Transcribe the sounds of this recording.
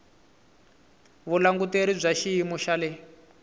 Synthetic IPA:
βulaŋɡuteɾib͡ʐʷaʃiimuʃalɛ

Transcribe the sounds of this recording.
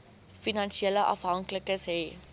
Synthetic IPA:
finɑnʃieləʔɐ̰fɦɐŋkləkəsɦɛ

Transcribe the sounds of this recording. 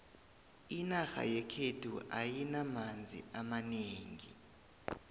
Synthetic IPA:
inaxa̰jɛkʰedʰʱuʔajinamand͡zʱḭʔamaneːŋi

